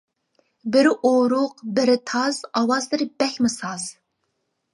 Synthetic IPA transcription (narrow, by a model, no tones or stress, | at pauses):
bɪɾʔoɾʊqbɪɾɪt̪ʰɑzɑwɑzd̪ɨɾbɛxʲmɪsɑz